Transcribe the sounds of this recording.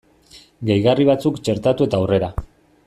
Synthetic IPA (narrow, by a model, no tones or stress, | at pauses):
ɡejɣariβ̞at͡sukt͡ʃe̞ɾt̪at̪ue̞t̪aːwre̞ɾa